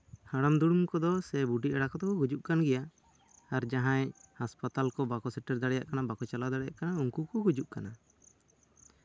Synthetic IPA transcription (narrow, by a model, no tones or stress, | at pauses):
haɽamd̪uɽumkɔd̪ɔsɛbuɖiʔɛɽakɔt̪ɔkɔhud͡ʒuʔkanɡɛja | aɾd͡ʒaɦãɲhaspat̪alkɔbakɔsɛʈɛɾd̪aɽɛja̰ʔkanabakɔt͡ʃalad̪aɽɛjaʔkanauŋkukɔɡud͡ʒuʔkana